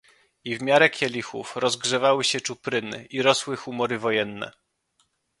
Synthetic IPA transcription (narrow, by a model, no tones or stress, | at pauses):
ivmʲjaɾɛkʲʰjɛlʲixṵfɾɔzɡʐɛvawɘɕɛt͡ʂupɾɘnɘ̰ʔiɾɔswɘxumɔɾɘvɔjɛnːɛ̰